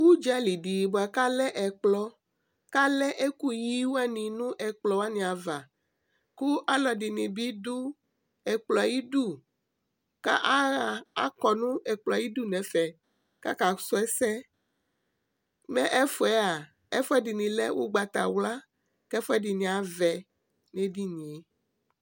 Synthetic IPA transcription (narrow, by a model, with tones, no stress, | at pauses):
wu˦d͡ʒa˦li˨ɖi˨bo˨a˨ka˦lɛ˦ʔɛ˨k͡plɔ˦ | ka˦lɛ˦ʔe˦ku˦ji˦wo˦a˦nĩ˨nũ˦ʔɛ˨k͡plɔ˨wa˦nĩ˨a˨va˨ | ku˦ʔa˦lɔ˨di˨nĩ˨bi˦du˦ | ɛ˨k͡plɔ˨a˨ji˦ɖu˦˨ | ka̰˦ʔa˦ɣa˨a̰˦kɔ˨nũ˦ɛ˨k͡plɔ˨a˨i˦du˦nɛ̃˨fɛ˨ | ka̰˦ka˨˦sɔ˦ɛ˦sɛ˦ | mɛ̃˦ʔɛ˦fɔ˨ɛ˦a˨ | ɛ˦fɔ˦ɛ˦di˨nĩ˨lɛ˦wʔo̰˦ɡ͡ba˨t̪a̰˨wla˦ | kɛ˦fɔ˦ɛ˦di˨nĩ˨a˨vɛ˨ | nẽ˨˦di˦nĩ˨e˨